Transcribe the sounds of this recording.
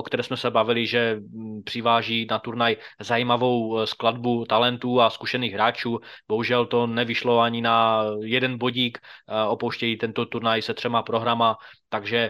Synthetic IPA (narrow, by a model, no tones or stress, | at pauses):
okt̪ɛɾɛːsmɛsɛbavɪlɪʒɛpr̝̥ɪvaːʒiːnat̪uɾnajzajimavo̞wskladbut̪alɛnt̪uːaskuʃɛniːɣɦɾaːt͡ʃuːb̥oɦuʒɛlt̪o̞nɛvɪʃlo̞aɲɪnajɛdɛnboɟiːkopowʃcɛjiːt̪ɛnt̪o̞t̪uɾnajsɛt̪r̥ɛmapɾo̞ɦɾamat̪aɡʒɛ